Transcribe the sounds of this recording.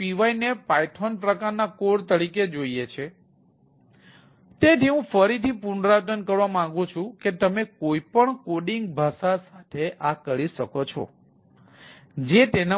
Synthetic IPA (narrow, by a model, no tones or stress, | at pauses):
iʋainepaiʈʰonpɾəkaɾnakoɽt̪əɽiked͡ʒoiet͡ʃʰe | t̪et̪iɦũfəɾit̪ʰipuɳɾatənkəɾʋamãŋɡũt͡ʃʰũket̪əmekoipəɳkoɖiŋɡ̚bʱasasat̪ʰeʔakəɭiʃəkot͡ʃʰɔ̰ | d͡ʒet̪ena